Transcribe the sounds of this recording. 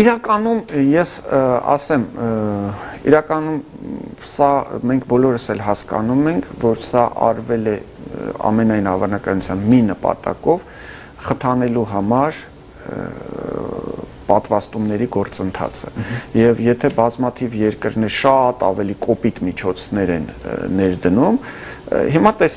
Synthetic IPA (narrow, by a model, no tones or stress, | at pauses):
iɾɑkɑnumjɛsɑ̰sɛm | ḭɾɑkɑnum | sɑmɛŋkʰbɔlɔɾəsɛlɦɑskɑ̰numɛŋkʰvɔɾsɑʔɑ̰ɾvɛlɛ | ɑ̰mɛnɑjnɑvɑnɑkɑnut͡sʰjɑnminəpɑ̰t̪ɑ̰kɔv | χət̪ʰɑnɛluɦɑmɑɾ | pɑt̪vɑst̪umnɛɾiɡɔɾt͡sənt̪ʰɑ̰t͡sʰə̰jɛvjɛt̪ʰɛbɑzmɑt̪ʰivjɛɾkəɾnɛɾʃɑt̪ɑ̰vɛlikʼɔpit̪mit͡ʃʰɔt͡sʰnɛɾɛnːɛɾd̪ənum | ɦimɑt̪ɛs